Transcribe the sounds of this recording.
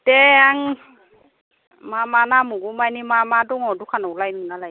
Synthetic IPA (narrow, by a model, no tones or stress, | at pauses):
tɛaŋ | mamanamuɡumajnimamadɔŋɔdukʰanɔlajnɯnalaj